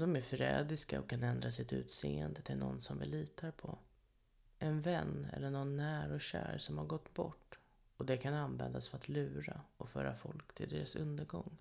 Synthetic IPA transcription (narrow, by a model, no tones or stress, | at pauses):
d̪ɔmæɾfɾɛːd̪ɪskaɔkʰːanɛnd̪ɾas̬ɪt̪ʉ̟ːt̪seːɛnd̪ət̪ʰɪlnɔnsɔmvɪliːt̪aɾpʰɔ | ʔɛnvɛnːɛ̰lːəɳɔnːæːɾɔɕæ̰ːɾʂɔmhaɾɡɔt̪ːbɔʈː | ɔd̪ɛkʰananvɛnd̪asfœɾat̪lʉ̟ːɾaʔɔfœːɾafɔlkt̪ʰɪld̪eːɾasɵnd̪əɾɡɔŋː